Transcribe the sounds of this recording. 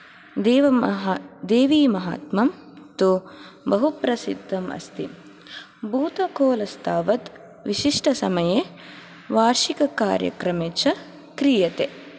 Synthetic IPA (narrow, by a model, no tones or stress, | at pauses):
d̪eːʋɐɦd̪eːʋiːmɐɦa̰ːt̪mɐm | t̪ubɐɦupɾɐsid̪ʱːɐmɐ̰st̪ḭ | bʱuːt̪ɐkoːlɐst̪ʰaːʋɐt̪ | ʋiʃiʂʈɐsɐmɐjeː | ʋaːɾʃikɐka̰ːɾjɐ̰kɾɐmeːt͡ʃɐ | kɾijɐt̪e